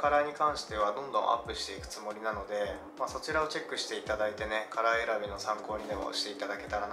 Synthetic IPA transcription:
kaɾaiɲ̟ikãɰ̃ɕi̥t̪e̞β̞ad̪õ̞nd̪õʔa̰pːɯ̟ɕi̥t̪e̞ikɯ̟̥t͡sɨmo̞ɾʲinano̞d̪e̞ | maso̞t͡ɕiɾao̞t͡ɕe̞kːɯ̟ɕi̥t̪e̞it̪ad̪ait̪e̞ne̞kʰaɾaeɾabʲino̞sãŋko̞ːɲ̟id̪e̞mo̰ɕi̥t̪e̞it̪ad̪ake̞t̪aɾan

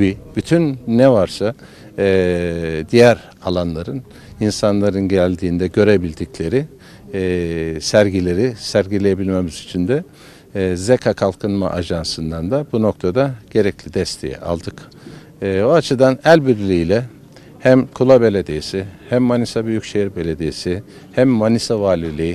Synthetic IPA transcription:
bibyt̪ʰynːɛvaɾsa | d̪ijæɾ | alˠanlˠaɾɯn | insanlˠaɾɯnɟælʲd̪iːnd̪ɛɟø̞ɾe̞bilʲd̪iclʲe̞ɾi | sæɾɟilʲe̞ɾisæɾɟilʲejebilʲme̞mizyt͡ʃʰind̪ɛ | zekʰakʰalˠkʰɯnma̰ʔaʒansɯnd̪and̪abuno̞k̚t̪ʰad̪aɟ̥e̞ɾɛclʲid̪ɛst̪ʰe̞jɛ̰ʔa̰lˠd̪ɯkː | oat͡ʃʰɯd̪anælʲbiɾlʲiːlʲɛ | hæmkʰulˠabe̞lʲed̪ejisihæmːanisabyjycʃejiɾbe̞lʲed̪ejsi | hæmːanisavaːlʲilʲiji

